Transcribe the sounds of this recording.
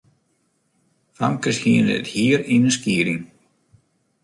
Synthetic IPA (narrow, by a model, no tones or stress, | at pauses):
fa̰mkəshiəndəə̰thiəɾinənskiəɾɪŋ